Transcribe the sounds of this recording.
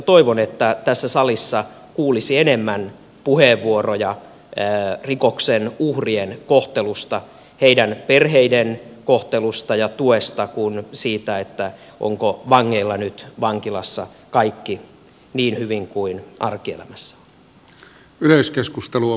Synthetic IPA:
t̪oiʋonet̪ːæt̪æsːæsɑlisːɑ | kuːlisienemːæn | puheʋːuorojɑ | rikoksenuhrienkoht̪elust̪ɑ | heidænperheidenkoht̪elust̪ɑjɑt̪uest̪ɑkunsiːt̪æet̪ːæ | ʔo̰ŋkoʋɑŋːeilːɑnyt̪ʋɑŋkilɑsːɑ | kɑikːi | niːnhyʋiŋkuinʔɑrkiḛlæ̰mæsːæ̥ | yløyskeskust̪elu

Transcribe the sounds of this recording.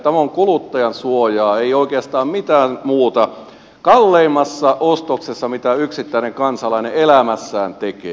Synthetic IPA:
t̪æmoŋkulut̪ːɑjɑnsuojɑːeioikeɑst̪ɑːmmit̪æːnmuːt̪ɑ | kɑlːeimːɑsːɑʔost̪oksesːɑmit̪æyksit̪ːæineŋkɑnsɑlɑineelæmæsːæːnt̪ekḛː

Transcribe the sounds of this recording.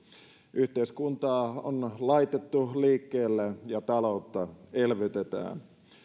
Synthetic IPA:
ʔyht̪eiskunt̪ɑːo̰nlɑit̪et̪ːuliːkːeːlːejɑt̪ɑlout̪ːɑelʋet̪et̪æ̰ːn

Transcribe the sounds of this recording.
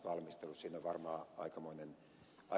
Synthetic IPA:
ʋɑlmist̪elussiːnoʋʋɑrmɑːɑ̰ikɑmoinen | ʔɑ

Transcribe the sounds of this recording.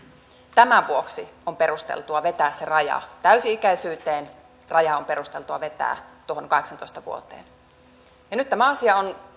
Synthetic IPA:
t̪æmæʋuoksiompe̞ɾust̪ḛlt̪uɑʋe̞t̪æːsserɑjɑ̰t̪æysiikæisyːt̪eːn | rɑjɑompeɾust̪e̞lt̪uɑʋe̞t̪æ̰ːt̪uo̞honŋkɑheksɑnt̪oist̪ɑʋṵot̪ḛːn | jɑnyt̪t̪ːæmæɑsiɑon

